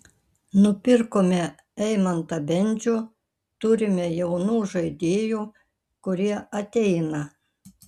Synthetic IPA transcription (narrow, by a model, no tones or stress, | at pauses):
nʊpʲɪɾkoːmʲɛ | ɛɪmɐnt̪ɐbʲɛnʲˑd͡ʒʲuː | t̪ʊɾʲɪmʲɛjɛʊnuːʒɐɪd̪ʲeːjuː | kʊɾʲiɛʔɐt̪ʲɛɪnɐ